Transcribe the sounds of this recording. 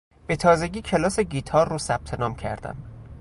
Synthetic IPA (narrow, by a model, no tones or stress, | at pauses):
b̥et̪ʰɒːzeɟʲiːcʰelɒːseɟiːt̪ʰɒːrːosæb̥̚t̪ʰe̞nɒːmcʰæ̰ɾd̪̥æ̰m